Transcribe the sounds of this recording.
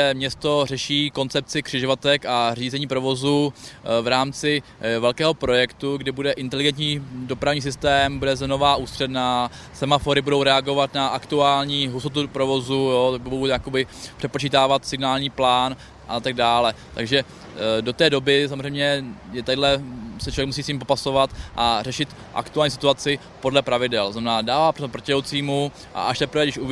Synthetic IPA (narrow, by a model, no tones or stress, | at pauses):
ɛmɲɛst̪o̞rɛʃiːko̞nt͡sɛp̚t͡sɪkr̝̥ɪʒovat̪ɛkar̝iːzɛɲiːpɾo̞vo̞zuvɾaːmt͡sɪ | vɛlkɛːɦopɾo̞jɛkt̪uɡdɪbudɛʔɪnt̪ɛlɪɡɛnt̪ɲiːdo̞pɾavɲiːs̬ɪst̪ɛːmbudɛzɛno̞vaːʔuːst̪r̥ɛdnaː | sɛmafo̞ɾɪbudo̞wɾɛaɡo̞vat̪naʔakt̪uaːlɲiːɦusot̪upɾovo̞zujot̪abbowjakobɪpr̝̥ɛt̚pot͡ʃiːt̪aːvat̪sɪɡnaːlɲiːplaːn | ʔat̪aɡ̚daːlɛt̪a̰ɡʒɛ | do̞t̪ɛːdo̞bɪs̬amozrɛjmɲɛjɛt̪adlɛsɛt͡ʃovjɛkmusiːsɲimpo̞paso̞vat̪ʔarɛʃɪt̪ | ʔa̰kt̪uaːlɲiːs̬ɪt̪uat͡sɪ | po̞dlɛpɾavɪdɛlznamɛnaːdaːvaːproopr̩cɛlowt͡siːmu | ʔa̰ʔaʃt̪ɛpɾ̩vɛɡdɪʃʔu